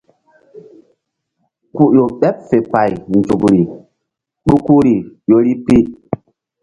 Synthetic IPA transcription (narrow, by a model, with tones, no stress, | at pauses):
ku˨jo˨ɓɛ˦p̚fe˨pa˨jn˨d͡ʒu˨kɾi˨ | ɗu˦ku˦ɾi˨jo˦ɾi˦pi˦